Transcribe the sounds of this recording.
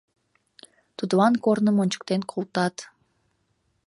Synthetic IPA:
t̪ud̪βɑnkornəmonʲt͡ɕə̥k̚t̪enkʰolˠt̪ɑt̪

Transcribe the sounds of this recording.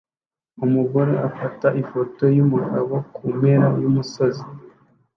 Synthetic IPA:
umuɡo̞ɾe̞ʔafataʔifo̞to̞jumuɡaβo̞kumeɾajumuso̞zi

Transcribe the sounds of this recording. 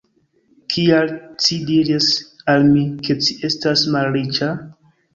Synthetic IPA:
kʰialt͡ʃidiɾisalmike̞t͡ʃiʔe̞stasmalɾit͡ʃa

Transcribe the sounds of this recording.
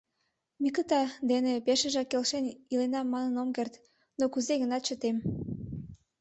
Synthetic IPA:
mikət̪ɑd̪enepeʃəʒɑkːelʃenilenɑmːɑnənomkert̪ | nokuzeɣənɑt̪̚t͡ɕət̪em

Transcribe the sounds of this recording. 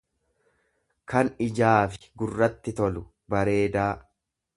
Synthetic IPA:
kɐnɪd͡ʒaːfɪ̥ɡʊrːɐt̪ːɪt̪ɔlʊ | bɐɾe̞ːd̪aː

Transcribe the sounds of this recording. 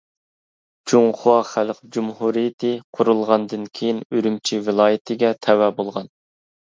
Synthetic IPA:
t͡ʃʰuŋχʊwɑχælqd͡ʒumhuɾijɪt̪ʰɪqʰʊɾulˠʁɑnd̪ɨnkʲʰejinøɾymt͡ʃʰivɨlˠɑːjɪt̪ʰɪɡʲɛt̪ʰɛwɛbolˠʁɑn

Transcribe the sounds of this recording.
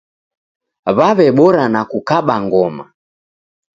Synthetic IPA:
βaβɛɓɔɾanakukaɓaŋɡɔma̰

